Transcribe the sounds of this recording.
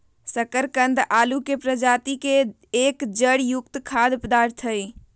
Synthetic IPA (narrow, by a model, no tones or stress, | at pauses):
səkəɾkə̃nd̪ʱaːlukepɾəd͡ʒaːt̪ike | ekd͡ʒəɽjʊkt̪kʰad̪pəd̪aːɾt̪ʰəj